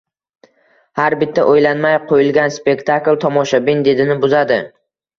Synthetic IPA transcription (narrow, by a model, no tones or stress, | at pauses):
haɾbɪt̪ʰːaʔojlanmajqʰojɪlˠɡʲanspe̞kʲt̪ʰaklˠt̪ʰɒmɒʃabɪnd̪e̞d̪ɪnɪbʊzad̪ɪ